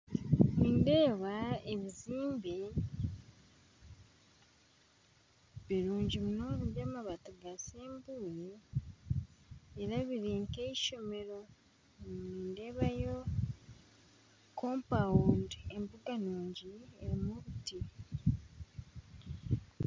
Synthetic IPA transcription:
niːnde̞ːβaeβiziːmbe | βiɾuːɲɟimunoβuamaβatuɡaseːmbuːɾe | ɾaβiɾiːŋke̞iʃo̞me̞ɾo̞ | niːnde̞ːβajo̞ | koːmpawunde̞mbuɡanuːɲɟieɾimuβuti

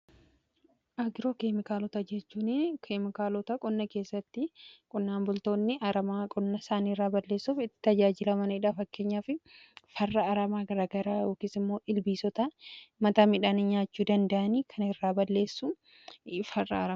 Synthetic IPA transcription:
ʔɐɡɪɾoːkemɪkaːlɔt̪ɐd͡ʒɛt͡ʃːuːnekʰemɪkaːlɔt̪ɐkʼɔnːɐke̞ːsːɐt̪ːɪkʼʊnːaːnbʊlt̪o̞ːnːɪʔɐɾɐmaːkʼɔnːɐsaːniːɪrːaːbɐlːe̞ːsːufɪt̪ːɪ̥t̪ɐd͡ʒaːd͡ʒɪlɐmɐnɐɪᶑaːfɐkːe̞ːɲːaːfɪfɐrːɐɐɾɐmaːɡɐɾaːɡɐɾaːjo̞ːkisɪmːo̞ːʔɪlbiːsɔt̪ɐmɐt̪aːmɪᶑaːnɪɲaːt͡ʃːuːd̪ɐnd̪ɐʔɐniːkʰɐnɪrːaːbɐlːe̞ːsːu | fɐrːɐ̰ɐɾɐ

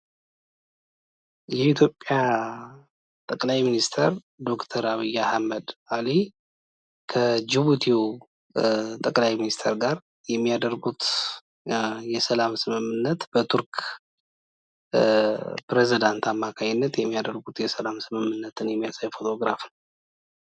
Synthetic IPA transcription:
jɛit̪ʰjo̞pʼːja | t̪ʼəkʼlajminist̪ʰəɾ | d̪o̞kt̪ʰəɾaβɨjːahamːəd̪ali | kʰəd͡ʒiβut̪ʰiw | t̪ʼəkʼlajminist̪ʰəɾɡaɾ | jɛmːijad̪əɾɡut̪ | jɛsəlamsɨmɨmːɨnːət̪bət̪ʰuɾk | pɾezid̪ant̪ʰamːakʰaɲɪnːət̪jɛmːijad̪əɾɡut̪jɛsəlamsɨmɨmːɨnːət̪ʰɨnjɛmːijasajfo̞t̪ʰo̞ɡɾafn

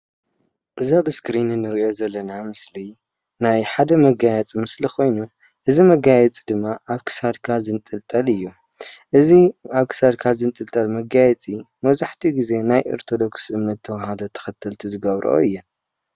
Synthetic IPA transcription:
ʔɨzabɨskɾinɨnːɨɾo̞zɐlːɐnamɨsli | najħad̪ɐmɐɡajɛt͡sʼimɨsliko̞jnu | ʔɨzimɐɡajɛt͡sʼid̪ɨmːaʔaβkʰɨ̥sad̪kʰazɨnt̪ʼɨlt̪ʼɐlɨjːu | ʔɨziaβkʰɨ̥sad̪̚kʰazɨnt̪ʼɨlt̪ʼɐlmɐɡajɛt͡sʼi | mɐβzaħt̪ʰiɡize̞najʔɐ̰ɾt̪ʰo̞d̪o̞ksʔɨmːɐt̪ʰːɐwhad̪o̞t̪ʰɐ̥xɐt̪ʰːɨlt̪ʰizɨɡɐβɾʔo̰ɨjːɛ

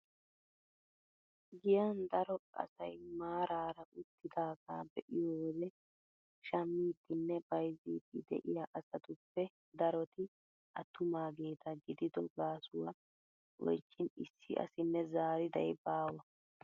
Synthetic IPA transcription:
ɡɪjɐnd̪ɐɾɔʔɐ̰sɐjmaːɾaːɾɐʔʊt̪ːɪd̪aːɡaːbɛʔɪjɔwɔd̪ɛ | ʃɐmːiːd̪ɪnːɛbɐjziːd̪ɪd̪ɛ̰ʔɪjaʔɐsɐt̪ʊpːɛ | d̪ɐɾɔt̪ɪ | ʔɐt̪ːʊmaːɡe̞ːt̪ʰɐɡɪd̪ɪd̪ɔɡaːsʊwɐ | wɔ̰jt͡ʃːɪnɪ̰sːɪ̰ʔɐ̰sɪnːɛzaːɾɪd̪ɐjbaːwɐ

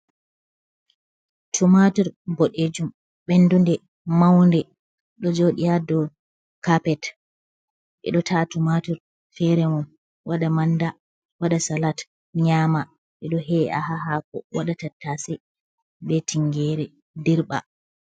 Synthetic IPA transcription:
tʰumatiɾboɗed͡ʒum | ɓɛndundɛ | mawndɛ | ɗɔd͡ʒoɗijadɔ | kapɛt | ʔɛ̰ɗɔtʰatumatiɾ | fɛɾɛmɔm | waɗamanda | waɗasalat | ɲaːma | ʔɛɗɔɦɛa̰ɦaɦakɔ̰waɗatatːasɛ | bɛtʰiŋɡɛɾɛ | diɾɓa̰

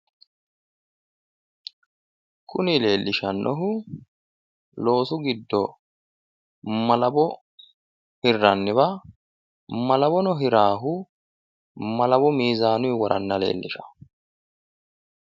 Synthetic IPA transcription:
kʰʊnɪle̞ːlːɪʃɐnːʔɔɦʊ | lo̞ːsʊɡɪd̪ːɔ | mɐlɐbɔ | hɪrːɐnːɪβɐ | mɐlɐbɔnɔɦɪɾaːɦʊ | mɐlɐbɔmiːzaːnʊjwɔɾʔɐ̰nːɐle̞̰ːlːɪʃɐ̥

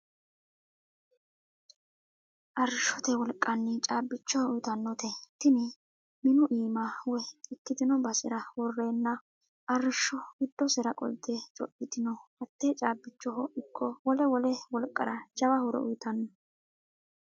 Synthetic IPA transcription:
ʔɐɾɪʃɔt̪ɛwɔlkʼːɐnːɪt͡ʃʼaːbːɪt͡ʃːɔʊjt̪ɐnːɔt̪ɛt̪ːɪnɪ | mɪnʊʔiːmɐwɛɪkːɪd̪ɪnɔbɐsɪɾɐwɔrːeːnːɐ | ʔɐrɪʃːɔɡɪd̪ːɔsɛɾɐkʼɔ̰lt̪ːɛt͡ʃʼɔ̰ʔɪd̪ɪnɔhɐt̪ːeːt͡ʃʼaːbɪt͡ʃːɔhɔʔɪkːɔwɔlɛwɔlɛwɔlkʼːɐ̰ɾɐt͡ʃɐwɐhʊɾɛ̰ʊ̰jt̪ɐnːɔ

